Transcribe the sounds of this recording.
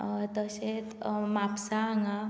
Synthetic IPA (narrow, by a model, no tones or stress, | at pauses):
t̪əset̪mapsaaŋa